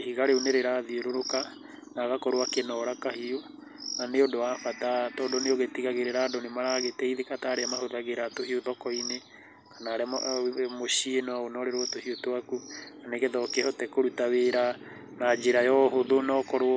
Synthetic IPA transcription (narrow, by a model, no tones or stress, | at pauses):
hiɣaɾeoneɾeɾaðioɾoɾoka | naɣakɔɾwakenɔɾakahio | naneondoafaðatɔːdoneoɣetiɣaɣeɾeɾaːdonemaɾaɣetɛiðekataːɾeamahoðaɣeɾatohioðɔkɔine | kanaːɾɛmoʃienɔaonɔɾeɾoatohiotowakunaneɣeðɔkehɔtɛkoɾutaweːɾa | nad͡ʒeɾajɔɦoðonɔkɔɾo